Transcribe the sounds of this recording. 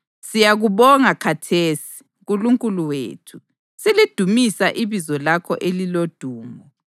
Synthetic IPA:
sijaɣuβɔŋakʰatʰeːsi̥ | ɣuluŋkʼuluwḛːtʰu̥ | silid̥ʱumisaʔiβizɔlakʰɔ̰ʔelilod̥ʱuːmɔ

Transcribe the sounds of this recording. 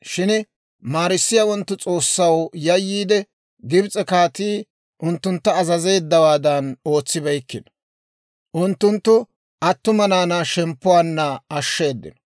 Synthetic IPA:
ʃɪn | maːɾɪsːɪjawɔnt̪ːʊt͡sʼo̞ːsːɐwjɐjːiːd̪ɛ | ɡɪbt͡sʼɛkaːt̪iː | ʔʊnt̪ːʊnt̪ːɐːzɐze̞ːd̪ːɐwaːd̪ɐno̞ːt͡sːɪbɐjkːɪn | ʔʊnt̪ːʊnt̪ːʊ | ʔɐt̪ːʊmɐnaːnaʃɛmpːʊwaːnːɐːʃːe̞ːd̪ːɪ̰nɔ̥

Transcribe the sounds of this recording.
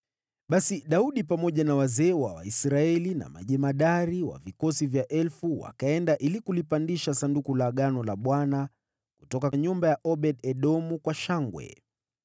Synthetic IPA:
ɓasiɗauɗipamɔʄanawazɛːwawa̰isɾaɛlina̰ma̰ʄɛmaɗaɾiwa̰vikɔsivjaʔɛlfuwa̰kaɛndaʔilikulipandiʃasandukulaɠanɔlaɓwana | ku̥tɔkaɲumbajaʔɔɓɛɗɛɗɔmukwaʃaŋɡwɛ̰

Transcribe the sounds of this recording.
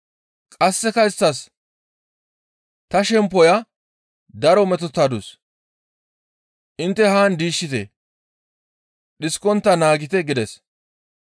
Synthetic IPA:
kʼɐsːɛkɐɪst̪ːɐs | t̪ɐʃɛmpɔjɐ | d̪ɐɾɔmɛt̪ɔt̪ːɐd̪us | ʔɪnt̪ːɛhaːnd̪iːʃːɪt̪ɛ̰ | ɗɪskːɔnt̪ːɐnaːɡɪt̪ɛɡɪd̪ɛs

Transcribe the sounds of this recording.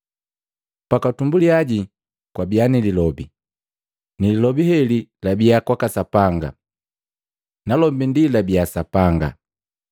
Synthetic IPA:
pakatumbuliaɟi | kwabianililɔbi | nililɔbihɛlilabiakwakasapaŋɡa̰ | nalɔmbindilabiasapaŋɡa̰

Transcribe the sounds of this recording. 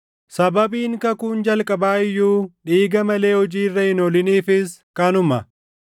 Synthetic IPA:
sɐbɐbiːŋkɐkuːnd͡ʒɐlkʼɐbaːɪjːuːᶑiːɡɐmɐle̞ːhɔd͡ʒiːrːɐhɪnɔlɪniːfɪskɐnʊmɐ

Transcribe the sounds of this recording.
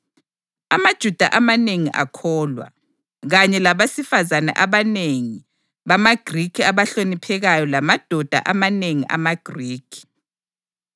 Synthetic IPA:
amad̥ʒ̥ʱud̥ʱa̰ʔamaneŋiʔa̰kʰɔːlwa̰ | ɣaɲɛlaβasifazana̰ʔaβaneŋi | βamaɡ̥ʱrikʰiaβaɬonipʰɛɣajɔlamad̥ʱɔd̥ʱa̰ʔamaneŋiʔa̰maɡ̥ʱriːkʰi̥

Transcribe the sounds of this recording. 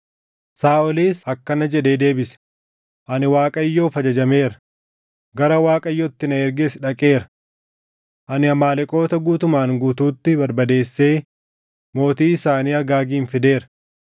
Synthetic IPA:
saːɔliːsɐkːɐnɐd͡ʒɛᶑe̞ːd̪e̞ːbɪsɛ̥ | ʔɐnɪwaːkʼɐɪjːo̞ːfɐd͡ʒɐd͡ʒɐme̞ːɾɐ | ɡɐɾɐwaːkʼɐjːɔt̪ːɪnɐɛɾɡesɪᶑɐkʼe̞ːɾɐ̥ | ʔɐnɪɐmaːlɛkʼo̞ːt̪ɐɡuːt̪ʊmaːŋɡuːt̪uːt̪ːɪbɐɾbɐd̪e̞ːsːe̞ː | mo̞ːt̪iːɪsaːniːɐɡaːɡiːnfɪd̪e̞ːɾɐ̥

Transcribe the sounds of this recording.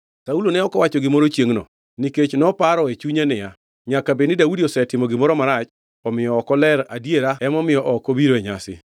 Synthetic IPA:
saulonɛɔkɔwat͡ʃɔɡɪmɔɾot͡ʃjeŋnɔ̰ | niket͡ʃnɔpaɾɔet͡ʃuɲanɪja | ɲakabenɪdaudiɔsɛtɪmɔɡɪmɔɾɔmaɾat͡ʃ | ɔmɪjɔːkɔlɛɾadjeɾaɛmɔmɪjɔʔɔkobiɾoeɲasɪ̰

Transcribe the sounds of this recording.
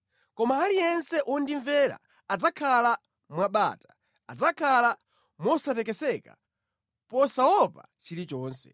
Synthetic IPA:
kɔmaːlijɛnsɛʔɔndiɱvɛɾa̰ | ad͡zakʰala | mwaɓa̰ːtḁ | ad͡zakʰala | mɔsatɛk̬ɛsɛka̰ | pɔsawɔpa̰ | t͡ʃiɾit͡ʃɔːnsɛ̰

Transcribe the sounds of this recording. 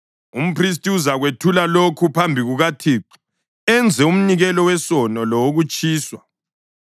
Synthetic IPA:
um̩pʰris̬tʼiuzaɣwetʰulalokʰupʰambʱiɣuɣatʰiːǀu̥ | ɛnd͡zʱɛum̩niɣɛlɔwɛsɔnɔlɔwoɣut͡ʃʼiːswa

